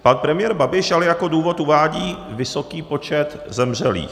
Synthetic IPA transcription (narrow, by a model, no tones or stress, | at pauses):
panpɾɛmɪjɛɾbabɪʃalɛjako̞duːvo̞t̪uvaːɟiːvɪso̞kiːpot͡ʃɛt̪ | zɛmr̝ɛlḭːx